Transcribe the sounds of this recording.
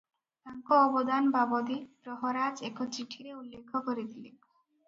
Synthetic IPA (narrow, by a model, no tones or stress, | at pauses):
t̪aŋkoɔbod̪anbabod̪ipɾɔɦoɾad͡ʑekʰot͡ɕiʈʰiɾeulːekʰːokoɾed̪ile